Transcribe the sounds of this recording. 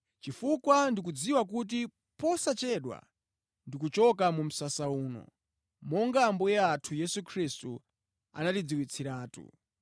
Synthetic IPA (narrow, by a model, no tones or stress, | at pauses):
t͡ʃifukwandik̬ud͡ziwak̬ut̬i | pɔsat͡ʃɛɗwa̰ | ndikut͡ʃɔkamum̩sasauːnɔ̰ | mɔŋɡambujɛatʰujɛsukʰristu | a̰natid͡ziwit͡sʰiɾaːtṵ